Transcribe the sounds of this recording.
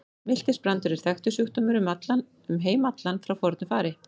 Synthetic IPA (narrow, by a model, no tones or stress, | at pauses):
mɪl̥t̪ɪspɾant̪ʏɾɛɾ̥θɛxt̪ʏsjuht̪ɔmʏɾʏmat̪lan | ʏmɦeːjmat̪lanfɾawfɔɾt̪nʏfaːɾɪ